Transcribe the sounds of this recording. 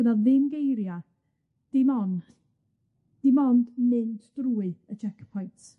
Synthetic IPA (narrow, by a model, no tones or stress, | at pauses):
ənaðɪmɡejɾja | d̥imɔn | d̥imɔndnɨndd̥ruːɨət͡ʃʰɛkpʰɔjnt